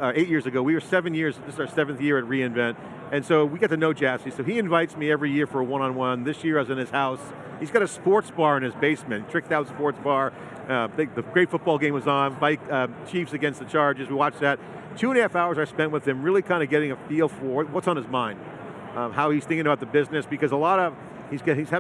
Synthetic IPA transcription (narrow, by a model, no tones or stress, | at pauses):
eɪt̚jɪɹzɨɡoʊwiə˞sɛvɨ̃njɪɹzðɪszə˞sɛvn̩θjɪɹɨt̚ɹiɨ̃ɱvɛ̃nt | ɨ̃nsoʊwiɡɛtɨnoʊd͡ʒæsisoʊiɨ̃ɱvaɪtsmiɛvɹijɪɹfə˞wʌ̃ñə̃nwʌ̃nðɪsjɪɹazɨ̃nɨz̥haʊs | hizɡɑɾɨspɔɹtsb̥ɑɹɨ̃nɨzbeɪsmɨ̃nitɹ̥ɪk̚taʊtspɔɹtsb̥ɑɹ | ðɨðɨɡ̥ɹeɪtfʊt̚b̥ɔlˠɡẽɪ̃mʌz̩baɪkt͡ʃʰifsɨɡɛ̃nst̪̚ðɨt͡ʃʰɑɹd͡ʒɨzwiwɑt͡ʃðɨt̚ | tʰʉə̃ndɨhæfaʊə˞zaɪspɛ̃nʔ̚wəð̥ɨ̃mɹɪlˠikʰãɪ̃ndɨɡɛɾɪ̃ŋɨfilˠfə˞wʌtsn̩ɨzmãɪ̃nd̥ | haʊiz̥θɪ̃ŋkɪ̃ŋɨbaʊt̪̚ðəbɪznɨsb̥ɨkʌzəlɔɾʌv̥ | hizɡhiz̥æ